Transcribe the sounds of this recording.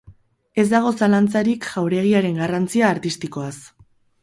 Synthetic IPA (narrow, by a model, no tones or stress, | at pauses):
e̞zd̪aɣ̞o̞salant͡saɾikʝawɾe̞ɣ̞iaɾe̞ŋɡarant͡siaːɾt̪ist̪iko̞as